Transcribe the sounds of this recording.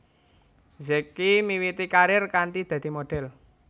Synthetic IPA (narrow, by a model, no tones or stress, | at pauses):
zɛkːimiwit̪ikaɾɪrkaɳʈid̪̥ä̤d̪̥i̤moɖ̥ɛ̤l